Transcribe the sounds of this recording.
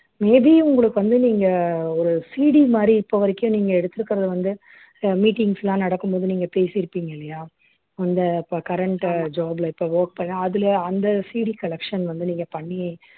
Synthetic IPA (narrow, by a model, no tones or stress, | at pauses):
meːbiʊŋɡɐɭɯkːɯʋɐnd̪ɯniːŋɡɐɔɾɯsiːɽimaːd̪ɾiɪpːoʋɐɾɛkːɪjʊ̃niːŋɡɐɛɽɯt̪ːɯɾɯkːɪɾɐðɯʋɐnd̪ɯ | miːʈːɪŋɡslãːnɐɽɐkːɯmpoːðɯniːŋɡɐpeːsɪɾɯpːiːŋɡɐɪlːɐjaː | ɐnd̪ɐpkɐɾɛɳʈd͡ʒaːblɐɪpːoʋoːɾk̚pɐɳːãɐðɯlɐɐnd̪ɐsiːɽikɐlɛkʂɐnʋɐnd̪ɯniːŋɡɐpɐɳːi